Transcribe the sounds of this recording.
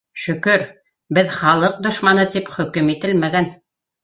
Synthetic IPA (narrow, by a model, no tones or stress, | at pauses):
ʃɵ̆kɵɾ | bɘðχɑlˠɤq̚d̪ŏʃmɑnɤt̪ipχɵ̆kɘmit̪ɘlmæɡæn